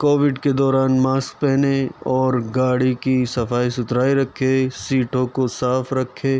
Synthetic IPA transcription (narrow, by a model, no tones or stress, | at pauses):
koːʋɪɖked̪ɔːɾaːnmaːsk̚pɛɦneɔːɾɡaːɽikisɐfaːisʊt̪ɾaːiɾɐkʰːesiːʈʰõkosaːfɾɐkʰːeː